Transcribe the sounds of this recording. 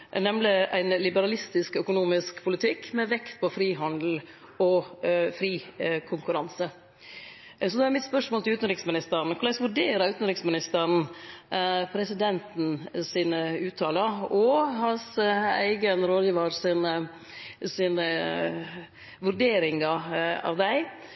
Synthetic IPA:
nɛmlɪæɪnlɪbəɾɑlɪst̪ɪskœkʊnuːmɪskpʰʊlɪt̪ʰɪkːmɛʋɛkt̪̚pʰɔfɾiːɦɑnd̪l̩ | ɔfɾiːkʰʊŋkʉɾɑnsə | sɔd̪ɛæɾmɪt̪spœʂmoːlt̪ɪʉːt̪n̩ɾɪksmɪnɪst̪əɾɳn̩kʰʊɾlɛɪsʋʉɾɖeːɾɑʉːt̪n̩ɾɪksmɪnɪst̪əɾn̩ | pʰɾɛsɪd̪ɛnt̪n̩siːnəʉːt̪ʰɑːlɑɾɔhɑnsæ̰ɪɡənɾoːd̪jiːʋɑɾsɪnə | siːnə | ʋʉɾɖeːɾɪŋɑɑ̰ʋd̪æɪ

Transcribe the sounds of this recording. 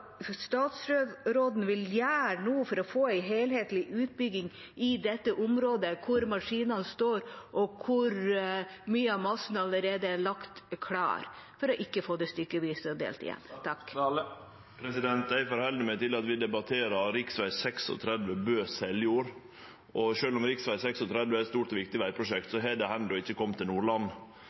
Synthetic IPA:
st̪ɑːt̪sɾøːʋɾoːd̪n̩ʋɪljæːɾnuːfɔɾɔfoːæɪɦeːlheːt̪lɪʔʉːt̪̚bʏɡɪŋ | ɪd̪ɛt̪ːəʔʊmɾoːd̪əkʰʊɾmɑʂiːnɑnst̪oːɾʔɔkʰʊɾ | myːəɑʋmɑsn̩ɑləɾeːd̪əælɑkt̪kʰlɑ̰ːɾfɔɾɔʔɪkːəfoːd̪ɛst̪ʏkːəʋiːsəd̪ḛːlt̪ɪ̰jɛ̰nːt̪ʰɑkː | pʰɾɛsɪd̪ɛnt̪̚d̪æɪfɔɾhɛld̪ɪmɛt̪ɪlɑt̪ʋɪd̪ɛbɑt̪ʰeːɾɑɾɾɪksʋæɪsɛksɔ̰t̪ʰɾɛd̪ʋəbøːsɛljuːɾ | ʔɔʃøːlɔmɾɪksʋæɪsɛksɔt̪ʰɾɛd̪ʋəɛɾɛt̪st̪uːʈɔʋɪk̚t̪ɪʋæɪpʰɾʊʂɛkt̪sɔɦɛd̪ɛhɛnd̪ɔɪçːəkʰɔmːt̪ʰɪlnuːɭɑn

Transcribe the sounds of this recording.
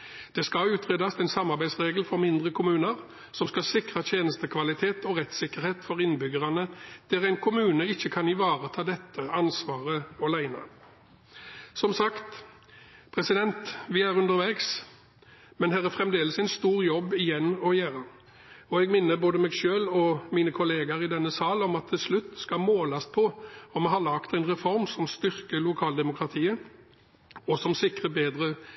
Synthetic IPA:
d̪̥ɛskɑʉːt̪ʰʁeːd̪ɑsɛɪnsɑmːɑʁbæɪsʁeːɡlfɔʁmɪnd̪ʁəkʰʊmʉːnəʁ | sɔmskɑsɪkʁɑt̪ʰjeːnəst̪əkʰʋɑlɪt̪ʰeːt̪ʰɔʁɛt̪sɪkəɾheːt̪fɔʁɪnbʏɡəʁɑnəd̪̥æʁæɪnkʰʊmʉːnəɪçːəkʰɑnɪʋɑːʁət̪ʰɑːd̪ɛt̪ʰːəɑnsʋɑːʁəɔlæɪnɑ̰ | sɔmsɑkt̪ | pʰʁɛsɪd̪ɛnt̪ʋɪæʁʉnd̪əʁʋæɡs | mɛnɦæːʁæfʁɛmd̪eːləsɛɪnst̪uːʁjɔbːɪjɛnːɔɪjæːʁɑ | ɔɛɡmɪnːəboːd̪əmɛːɡʃøːlɔmiːnəkʰʊleːɡɑɾɪd̪ɛnːəsɑːlɔmɑt̪ʰːɪlslʉt̪ːskɑmoːlɑspʰɔɔmɛhɑlɑkt̪ɛɪnʁɛfɔʁmsɔmst̪ʏʁkəlʊkʰɑːld̪ɛmʊkʁɑt̪ʰiːə | ɔsɔmsɪkʁəbeːd̪ɾə

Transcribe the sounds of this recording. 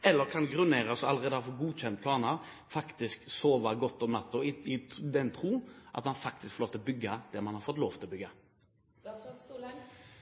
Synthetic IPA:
ɛlːəɾkʰɑnɡɾʉneːɾəsɔɑlːəɾeːd̪əɑfɔɡuːc͡çɛnt̪̚pʰlɑːnə | fɑkt̪ɪsksoːʋɑɡɔt̪ːɔmnɑt̪ːʊɪɪd̪ɛnt̪ʰɾuːʔɑ̰t̪mɑnfɑk̚t̪ɪskfɔɾloːʋt̪ʰɪlɔbʏɡːəd̪̥ɛmɑnhɑɾfɔt̪loːʋt̪ʰɪlɔbʏɡːə

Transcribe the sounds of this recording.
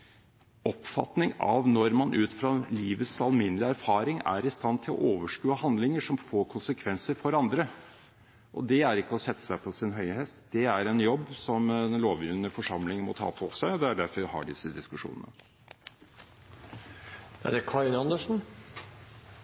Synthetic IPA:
ɔpfɑ̰t̪nɪŋɑ̰ʋnɔɾmɑnʔʉːt̪fɾɑliːʋət̪sɑlmɪnəlɪæɾfɑːɾɪŋæ̰ɾɪst̪ɑnːt̪ʰɪlɔ̰ʔoːʋəʂkʉːəhɑnd̪lɪŋəʂɔmfoːɾkʰʊnsəkʰʋɛnsəɾfɔɾɑnd̪ɾə | ʔɔ̰d̪ɛæɾɪkːəɔsɛt̪ːə̥sæɪpʰɔsɪnɦœʏhɛst̪d̪ɛæɾɛnjɔbːsɔmɛnloːʋjʏlnəfɔʂɑmlɪŋmɔt̪ʰɑ̰ːfʰɔsæɔd̪ɛæɖæɾfɔɾhɑ̰ɖɪsːəd̪ɪskʉʂṵːnə̰nə̰ | æ̰ɖɛkʰɑnɑnd̪əʂn̩

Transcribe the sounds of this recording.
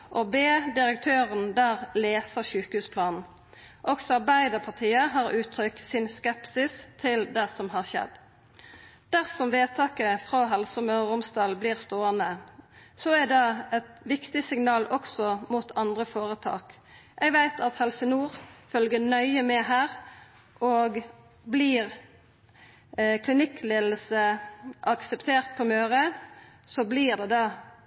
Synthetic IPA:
ʔobeːd̪ɪʁəkt̪ʰøːʁənd̪æːʁleːsəʃʉːkəhʉːspʰlɑːnn̩ | ʔɔksɔɑʁbæɪd̪əʁpʰɑt̪ʰiːəɦɑːʁʉːt̪ʰʁʏksɪnskɛpsɪst̪ʰɪld̪ɛsɔmhɑːʁʃɛ̰d̪ | d̪̥æʁsɔmʋeːt̪ʰɑːkəfʁoɦɛlsɔmœʁʊmst̪ɑːlbliːʁst̪oːənəsɔæd̪ɛɛt̪ʋɪkt̪ɪsɪŋnɑːlɔksɔmuːt̪ʰɑnd̪ʁəfoːʁət̪ʰɑ̰ːk | ʔɛɡʋæɪt̪ʰɑt̪hɛlsənuːʁfœlɡənœʏəmɛhæːʁ | ʔoːɡ | bliːʁ | kʰlɪnɪkʰleːd̪l̩səʔɑksəpt̪ʰeːʁt̪̚pʰɔmøːʁə | sɔbliːʁd̪ɛd̪ɑː

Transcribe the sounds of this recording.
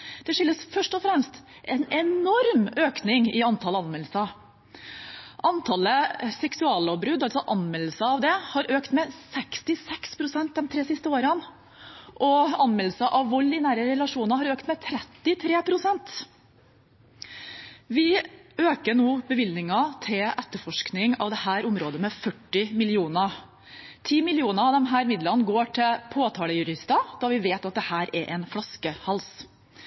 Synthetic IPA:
d̪̥ɛʂɪlːəsfœʂʈɔfɾɛmst̪ʔɛnɛnɔɾmøːknɪŋɪɑnt̪ʰɑləɑnmɛləsɑ | ʔɑnt̪ʰɑləsɛksʉɑːlɔbɾʉd̪ːɑlsɔʔɑnmɛlːəsəɑʋd̪ɛhɑɾʔøːkt̪mɛsɛkst̪ɪsɛkspʰɾʊsɛnt̪̚d̪ɛnt̪ʰɾeːsɪst̪əoːɾən | ʔɔɑnmɛləsɑʔɑʋʋɔlːɪnæːɾəɾɛlɑʂuːnɑɾɦɑɾøːkt̪mɛt̪ʰɾɛt̪ːɪt̪ʰɾeːpʰɾʊsɛnt̪ | ʋɪøːkəɳuːbəʋɪlnɪŋɑt̪ʰɪlʔɛt̪ːəɾfɔʂknɪŋɑ̰ʋd̪ɛhæːɾʊmɾoːd̪əmɛfœʈːɪmɪlɪuːnə | t̪ʰiːmɪlɪuːnəɑd̪ɛmɦæːɾmɪd̪lənɡoːʈʰɪlpʰoːt̪ʰɑːləjʉɾɪst̪əd̪̥ɑʋɪʋeːt̪ɑt̪̚d̪ɛhæːɾɛɾʔɛnflɑskəhɑls

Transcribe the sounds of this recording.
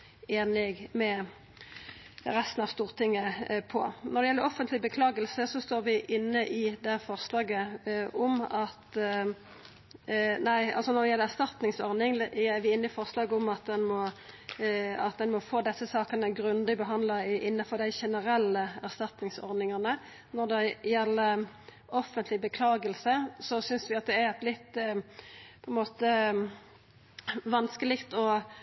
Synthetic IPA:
eːnɪɡmɛ | ɾɛst̪n̩ɑʋst̪uːʁt̪ʰɪŋːəpʰɔ̰nɔʁd̪ɛjɛlːəɾɔfənt̪lɪbəkʰlɑːɡəlsəsɔst̪oːɾʋɪʔɪnːəʔɪd̪ɛhæfɔʁslɑːɡəɔmɑt̪ | næɪɑ̰lsɔnɔɾd̪ɛjɛlːəɾæɾst̪ɑt̪nɪŋsɔɾnɪŋæɾʋɪɪnːəɪfɔʁslɑːɡəɔmɑt̪̚d̪ɛnmɔ | ɑt̪̚d̪ɛnmɔfoːd̪ɛsːəsɑːkənəɡɾʉnd̪ɪbəɦɑnd̪lɑɪʔɪnːɑfɔɾd̪æɪʃɛnəɾɛlːəæʁst̪ɑt̪nɪŋsɔ̰ɾd̪ɪŋɑnə | nɔɾd̪ɛjɛlːəɾ | ɔfːənt̪lɪbəkʰlɑːɡəlsəsɔsʏnsʋɪɑt̪̚d̪ɛæɾɛt̪lɪt̪ː | pʰɔɛnmoːt̪ə | ʋɑnskəlɪkt̪ɔ

